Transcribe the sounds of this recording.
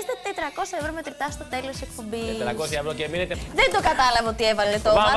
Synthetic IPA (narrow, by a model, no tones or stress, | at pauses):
st̪et̪et̪ɾɐko̞sjɐevɾo̞me̞t̪ɾit̪ɐst̪ot̪e̞lo̞sek̚po̞mbit̪ɾɐkosçɐevɾoceminet̪eðend̪o̞kɐt̪ɐlɐvɐo̞t̪ievɐlet̪omɐ